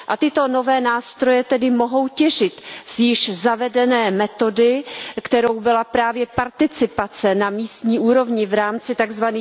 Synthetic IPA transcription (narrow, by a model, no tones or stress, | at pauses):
ʔat̪ɪt̪o̞no̞vɛːnaːst̪ɾo̞jɛt̪ɛdɪmo̞ɦo̞wcɛʒɪt̪sjɪʃzavɛdɛnɛːmɛt̪o̞dɪkt̪ɛɾo̞wbɪlapɾaːvjɛpaɾt̪ɪt͡sɪpat͡sɛnamiːst̪ɲiːʔuːɾo̞vɲɪvɾaːmt͡sɪt̪aɡzvaniː